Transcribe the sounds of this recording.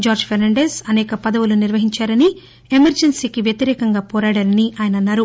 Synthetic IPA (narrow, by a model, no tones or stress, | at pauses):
d͡ʒaːɾd͡ʒpʰeɾnɐɳɖe̞ːsɐnɛːkɐpɐd̪ɐʋuluniɾʋɐɦiɲt͡ʃaːɾɐni | emɐɾd͡ʒɐnsiːkiʋjɐt̪iɾɛːkɐŋɡaːpɔːɾaːɽaːnɐniʔaːjɐnɐnːaːɾu